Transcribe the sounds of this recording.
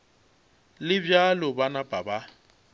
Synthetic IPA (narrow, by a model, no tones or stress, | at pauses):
lɪbjalʊbanapʼaba